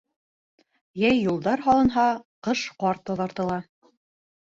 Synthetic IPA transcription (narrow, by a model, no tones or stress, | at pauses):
jæjːulˠd̪ɑɾɦɑlˠɤ̆nɦɑqɤʃqɑɾt̪ːɒðɑɾt̪ɤ̆lˠɑ